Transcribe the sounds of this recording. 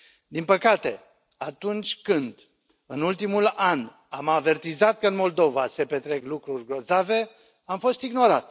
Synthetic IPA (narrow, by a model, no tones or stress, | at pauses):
d̪inpəkat̪e̞ | at̪unt͡ʃʲkɨnd̪ | ɨnult̪imulan | amave̞rt̪izat̪̚kəɨnmo̞ld̪o̞vase̞pe̞t̪ɾe̞klukɾurʲɡɾo̞zave̞ | amfo̞st̪iɡno̞ɾat̪